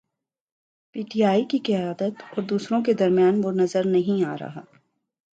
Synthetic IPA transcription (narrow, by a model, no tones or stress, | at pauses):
piːʈiːaːikikɪjaːd̪ət̪ɔːɾd̪uːsɾõked̪ɐɾmijaːnʋonɐzəɾnɐɦĩaːɾɐ̰ɦa̰ː